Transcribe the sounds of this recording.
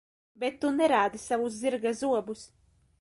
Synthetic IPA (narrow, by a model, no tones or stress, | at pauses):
bet̪ːunɛɾaːd̪isavuzziɾɡazuɔbus